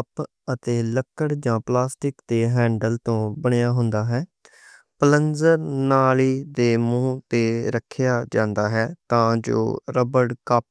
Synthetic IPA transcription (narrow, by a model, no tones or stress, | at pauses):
əp | ət̪eːləkːəɽd͡ʒãːplaːsʈɪkt̪eːɦɛ̃ːɳɖəlt̪õːbəɳejaːɦʊnd̪aːɦɛː | pələnd͡ʒəɾnaːliːd̪eːmũːt̪eːɾəkʰːɪjaːd͡ʒãːnd̪aːɦɛːt̪ãːd͡ʒo̰ːɾəbəɽkəp̚